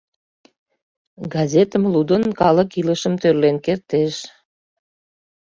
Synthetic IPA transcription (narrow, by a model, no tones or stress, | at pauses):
ɡɑzet̪əmlud̪ənkɑləkiləʃəmt̪ørlenkert̪eʃ